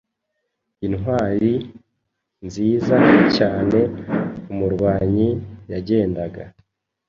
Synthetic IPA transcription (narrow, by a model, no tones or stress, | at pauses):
inɦwaːɾi | nziːzacaːne̞umuɾɡaːɲijaɟe̞ːndaɡa